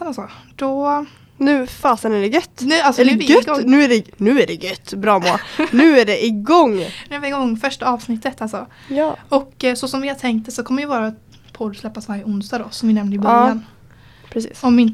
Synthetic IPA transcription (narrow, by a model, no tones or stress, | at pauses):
nalsɔd̪̥ɔ | nʉ̟ːfaːsənæɖɛɡœt̪ːnʉ̟ːalsɔnɡɡnʉ̟ːæɖɛnʉ̟ːæɖɛɡœt̪ːbɾɑːmoːnʉ̟ːæɖɛʔɪɡɔŋːnʉævɪɪɡɔŋːfœʂʈaɑːvsnɪt̪ːət̪alsɔ | jɑːɔksɔsɔmvɪhat̪ʰɛŋkt̪əsɔkʰɔmːəɾjəvɑːɾa | pʰɔd̪slɛpːasvaɾjəʊnst̪ad̪ɔsɔmvɪnɛmnd̪əɪbɾjan | pʰɾɛsḭːsɔmɪn